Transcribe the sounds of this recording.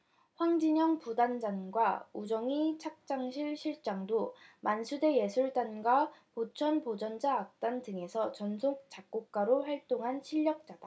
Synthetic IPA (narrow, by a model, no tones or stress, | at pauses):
ɸwaŋd͡ʑiɲʌŋpudand͡ʑanɡwaud͡ʑʌŋit͡ɕʰak̚t͡ɕ͈aŋɕʰiɭɕʰiɭt͡ɕ͈aŋdomansʰude̞je̞sʰuɭt͈anɡwapot͡ɕʰʌnpod͡ʑʌnd͡ʑaːk̚t͈andɯŋe̞sʰʌt͡ɕʌnsʰok̚t͡ɕ͈ak̚k͈ok̚k͈aɾoɸwaɭt͈oŋɦanɕʰiʎːʌk̚t͡ɕ͈ad̥a